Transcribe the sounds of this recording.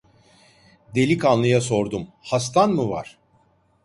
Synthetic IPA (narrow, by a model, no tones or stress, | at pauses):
d̪e̞lʲikʰanlˠɯjaso̞ɾd̪umhast̪ʰanmuvaɾ̥